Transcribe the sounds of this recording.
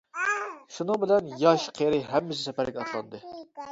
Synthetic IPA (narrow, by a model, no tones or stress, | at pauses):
ʃunɨŋbɪlɛnjɑʃqʰeɾɨɦɛmːɪs̬ɪsɛpæɾɡʲɛɑt̪lˠɑ̰nd̪ɨ